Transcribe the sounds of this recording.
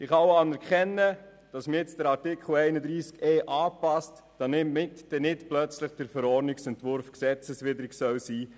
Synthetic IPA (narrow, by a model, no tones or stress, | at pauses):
ɪχɑwɑnɛɾkχɛnːə | d̥ɑsmɪɪt͡sd̥əɾɑɾtɪkχl̩ɛɪnədɾiːskɛːʔɑːpɑst | d̥ɑnɪmmɪtd̥ɛnɪtplœt͡sləχd̥əɾfəɾɔɾnɪksɛntʋʊɾfksɛt͡səsʋɪdəɾɪksœwsiː